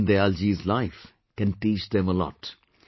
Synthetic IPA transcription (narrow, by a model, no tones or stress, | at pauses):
nd̪əɛld͡ʒizlaɪf | kɛ̃nʈiːt͡ʃd̪ɛ̃məlɔ̰ʈ